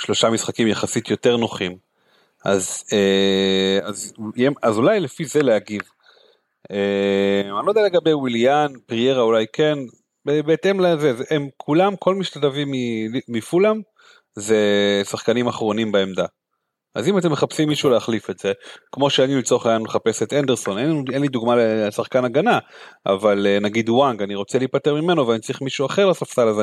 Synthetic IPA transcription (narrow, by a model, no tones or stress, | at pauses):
ʃlo̞ʃamisχakimjaχasit̪jo̞te̞ʁno̞χim | a̰ze | azemazulajlefize̞leaɡiv | eanlod̪ealeɡabejwiljanpʁije̞ʁaulajkʰe̞n | bebeːtemlezezeʔemkʰulamkʰo̞lmiʃtadavimːiliːifulam | zesaχkanimaχʁo̞nimbaemd̪a | azimat̬e̞mːeχapsimːiʃuːleaχlifetz̥e̞kmo̞ʃeaniilt͡soχajanmeχape̞setandeʁso̞nenenlid̪uɡmalesaχkanaɡanaʔa̰valenaɡid̪waŋɡaniʁo̞t͡seliːpateʁmime̞no̞veanitt͡sʁiχmiʃuaχe̞ʁlasaftalaze